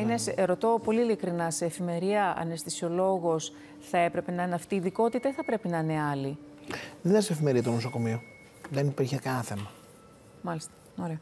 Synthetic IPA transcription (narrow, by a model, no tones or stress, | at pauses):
inesɾo̞t̪o̞po̞liːlikɾinɐse̞ːfime̞ɾiɐɐ̰nest̪isio̞lo̞ɣo̞s | θɐe̞pɾe̞pe̞nɐineɐft̪iːðiko̞t̪it̪ɐiθɐpɾe̞pinɐineɐliðenesefime̞ɾiɐt̪onosoko̞mio | ðenipiɾçekɐnɐθe̞mɐ | mɐlist̪ɐ̥ | oɾeo